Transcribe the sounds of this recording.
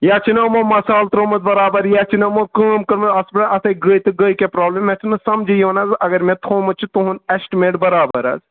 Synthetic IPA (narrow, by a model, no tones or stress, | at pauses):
jaːt͡ʃʰinɐmomɐsaːlt̪ɾoːmɨt̪̚bɐɾaːbɐɾjaːt͡ʃʰinɐmokəːmkəɾmɨɐspɽɐɐt̪ʰɐɡəjt̪ɨɡəjkepɾaːblemet͡ʃʰinɨsɐmd͡ʒʱijoːnɐzɐɡɐɾmẽt̪ʰoːmɨt͡ʃʰit̪oɦunesʈimeːʈbɐɾaːbəɾɐ̰z